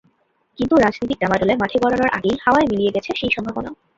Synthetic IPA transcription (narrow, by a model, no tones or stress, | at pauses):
kint̪uɾad͡ʑnit̪ik̚dɖamaɖolemaʈʰekɔɾonoɾʔa̰ɡejhaoaemilijeɡɛt͡ɕʰeʃejʃɔmbʱabonao